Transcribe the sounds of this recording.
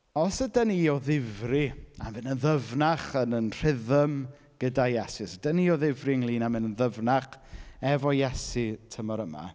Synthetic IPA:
ɔsədəniɔðɪvriamɪnənðəvnaχənənr̥ɪðəm | ɡ̥ədajɛsisədəniɔðɪvriəŋlˠiːnamɪnənðəvnaχɛvɔjɛsitʰəmɔɾəma̰

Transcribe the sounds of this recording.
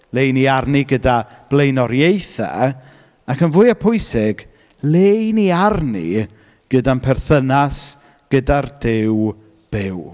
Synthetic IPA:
lejniarniɡədab̥lejnɔɾjejθɛ̰ | akənvʊːɨapʰʊɨsɪɡ | lejniarnḭ | ɡ̥ədanpʰɛrθənas | ɡ̥ədardɪw | b̥ɪw

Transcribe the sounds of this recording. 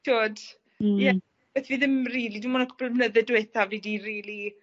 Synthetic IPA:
ʃoːd | jɛ | b̥ɛθviːðɪmriːlidimɔːnəkʰʊb̥lˠəmnəðɛdwɛθaviːdiɾiːli

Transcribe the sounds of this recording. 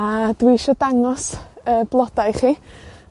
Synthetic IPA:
ad̥wiʃɔdaŋɔsəb̥lˠɔd̥ajχiː

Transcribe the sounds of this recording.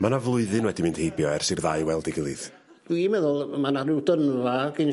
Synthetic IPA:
manavlˠʊɨðɨnwɛdimɨnd̥hejbjɔɛrsɨrðaɨwɛlˠdɪɡɪlˠɨð | d̥wimɛðʊlˠmanarɪwdənvaɡɪn

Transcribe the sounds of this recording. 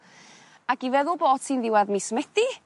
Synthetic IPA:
akivɛðʊlˠboːd̥sʰiːnðɪwaðmiːsmɛd̥i

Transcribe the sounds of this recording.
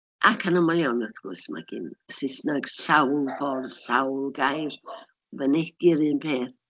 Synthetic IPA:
ʔakʰanəmalˠjanəθɡ̥ʊ̰sma̰ɡɪ̰nsɪsnaɡ̥sawlˠpʰɔrsawlˠɡajr | vənɛdɪɾɨːnpʰeːθ

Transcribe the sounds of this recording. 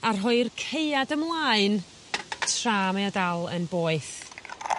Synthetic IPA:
arɦʊɨrkʰeɨadəmlˠaːɨn | tʰraːmaɔdalˠə̰nboːɨθ

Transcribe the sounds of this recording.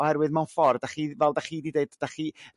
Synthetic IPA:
ɔhɛɾwɨðmawnfɔrdaχivɛlˠdaχidideɨdd̥aχi

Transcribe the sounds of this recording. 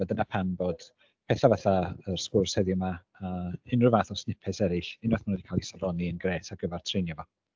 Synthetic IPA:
ɛdənapʰanmboːd̥ | pʰɛθavaθaərskʊrshɛðjʊma | əːɪnrɨvaθɔsnɪpʰɛsɛɾɪɬɪnaθmanədikʰaːlˠisalɔniənɡreːtʰaɡəvɛrtʰrejnjavɔ

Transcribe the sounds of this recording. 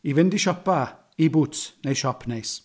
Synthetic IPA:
ivɪndiʃɔpa | ibʊtnejʃɔpʰnejs

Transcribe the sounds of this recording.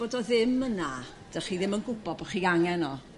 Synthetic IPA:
oːdɔðɪməna | d̥əχiːðɪmənɡʊbɔbɔχiaŋɛnɔ

